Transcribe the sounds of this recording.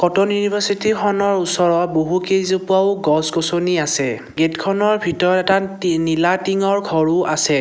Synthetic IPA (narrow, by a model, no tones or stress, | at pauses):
kɔtɔnjunibʱasitixɔnɔɹusɔɹɔboɦukezopuaʊɡɔskosoniasɛ | ɡetkʰɔnɔɹbʱitɔɹɔtɛtanilatiŋɔɹɡʱɔɹuʔasɛ